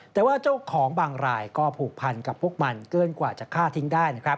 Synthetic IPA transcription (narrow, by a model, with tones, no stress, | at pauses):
t̪ɛː˨˩waː˥˩t͡ɕaː˥˩kʰːɔː˩˦ŋbaː˧ŋɾaː˧jkɔː˥˩pʰuː˨˩k̚pʰa˧nka˨˩p̚ʰːu˥˩k̚ma˧nkɯ˥˩ənkwaː˨˩t͡ɕa˨˩kʰːaː˥˩t̪ʰi˦˥ŋdaː˥˩jna˦˥kʰɾa˦˥p̚